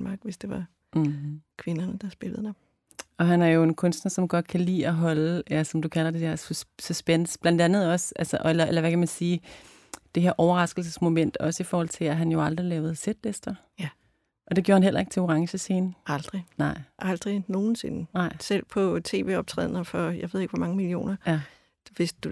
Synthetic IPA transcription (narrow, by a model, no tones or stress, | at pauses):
nmɑ̈ːɡ̥ʋesd̥e̝ʋɑ | kʰʋe̝nɐnəd̥ɑ̈sb̥e̝ləð̩ˠdɑb̥ | ɒ̽ɦænæɐjo̝e̝nkʰɔ̽nsd̥nɐsɒ̽mɡ̥ɒ̽d̥̚kʰælḭːɒɦɒ̽lelɐsɒ̽md̥ukʰælɐd̥e̝d̥eɐ̰ssysb̥en̰sb̥lænd̥ænð̞̩ˠɒ̽sʔælsɒʔɒelɐʔelɐʋækʰæmænsiː | d̥e̝ɦe̝ɐʔɒʊɐʁɑ̈sɡ̥l̩s̬əsmo̝men̰d̥ɒ̽səifɒːhɒ̽l̰t͡sʰe̝læɦænjo̝ɑ̈ld̥ʁilɛːʊð̞̩ˠsed̥lesd̥ɐ | ʔɒ̽d̥e̝ɡ̥oːɐhænɦel̰ɐe̝ɡ̥t͡sʰe̝o̝ʁɑ̈ŋɕəse̝ːnɑld̥ʁinɑ̈ɪ̰ʔɑ̈ld̥ʁino̝ːn̩se̝nənɑ̈ɪ̰sel̰pʰɒ̽t͡sʰe̝̰ːʋe̝̰ːɒ̽b̥̚t͡sʰʁɛ̰ːð̞̰ˠɐnɐfɒjäe̝ð̰ˠe̝ɡ̥ʋɒmɑ̈ŋəmilio̝̰ːnɐjæ | ʋe̝sd̥u